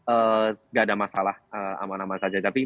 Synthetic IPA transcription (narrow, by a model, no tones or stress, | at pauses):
ʔəːŋɡaːdamasalahəːa̰manamansad͡ʒat̪api